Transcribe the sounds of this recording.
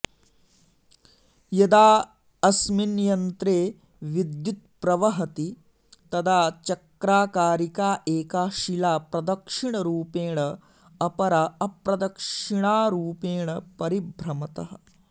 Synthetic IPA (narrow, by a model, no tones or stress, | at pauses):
jɐd̪aː | ɐsminjɐnt̪ɾeː | ʋid̪jit̪̚pɾɐʋɐɦɐt̪i | t̪ɐd̪aːt͡ʃɐkɾaːkaːɾikaːʔeːkaːʃilaːpɾɐd̪ɐkʂiɳɐɾuːpeːɳɐ | ɐpɐɾaɐpɾɐd̪ɐkʂiɳaːɾuːpeːɳɐpɐɾibʱɾɐmɐt̪ɐ̰ɦɐ̆